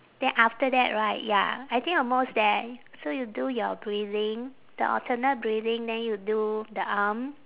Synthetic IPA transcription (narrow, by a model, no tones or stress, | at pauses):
d̥ɛ̃nʔaftədɛ̰ʔɹaɪt̚ja̰ajt̪ʰĩŋkɔmosdɛt | sojudujɔbɹilɪ̃ŋ | d̥ə̰ʔɔ̰tʰənət̚bɹilĩŋdɛ̃njududəʔam